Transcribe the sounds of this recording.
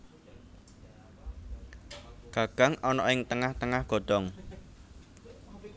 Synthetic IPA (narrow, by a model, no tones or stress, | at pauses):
ɡ̥a̤ɡ̥a̤ŋɔnɔɪŋt̪əŋaht̪əŋahɡ̥ɔ̤d̪̥ɔ̤ŋ